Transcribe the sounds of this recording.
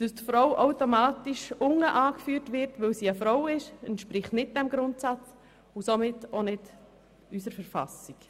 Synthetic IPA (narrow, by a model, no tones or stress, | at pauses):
d̥əstfɾɔwʔaʊtomaːtiʃʊŋəʔaːkfyːɾtʋɪɾtʋɪlsiːəfɾɔwɪʃɛntʃpɾɪχtnɪt̚d̥ɛmɡɾʊntsat͡s | ʊsomɪtonɪd | ys̬əɾfəɾfɑ̰sik